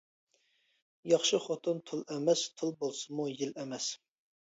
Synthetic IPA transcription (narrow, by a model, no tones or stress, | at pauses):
jɑχʃɨχot̪ʰɨnt̪ʰulˠɛmɛst̪ʰɨlˠbolˠsɨmujilɛmɛs